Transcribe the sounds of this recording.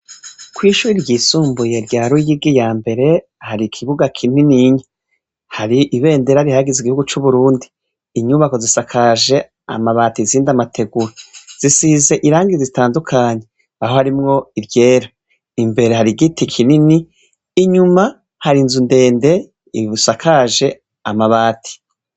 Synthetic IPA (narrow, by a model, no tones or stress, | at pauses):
kwiːʃuːɾiɾɟiːsuːmbuje̞ɾɟaːɾujiɡijaːmbe̞ɾe̞ | haɾikʰiβuɡakʰininiɲe | haɾiʔiβe̞ːndeɾaɾihaɡiziɡihuɡut͡ʃuβuɾuːndiː | ɲuβako̞zisakʰaʒe̞ | a̰maβaːtiziːndamatʰe̞ɡuɾaz̥isize̞ʔiɾaːŋɡizzitaːndukʰaːɲe | aho̞haɾimŋo̞iɾje̞ːɾa | imbe̞ɾehaɾiɡitʰikʰininiː | ɲuma | haɾinzunde̞ːnde̞ | iβusakʰaʒe̞ | amaβaːtʰi̥